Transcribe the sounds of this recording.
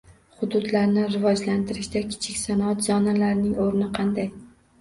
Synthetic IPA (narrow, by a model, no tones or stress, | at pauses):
χʊd̪ʊd̪laɾnɪɾɪvɒd͡ʒlant̪ʰɪɾɪʃd̪akʲʰɪ̥t͡ʃʰɪkʲsanɒt̪zɒnalaɾnɪŋoɾnɪqʰɑnd̪aj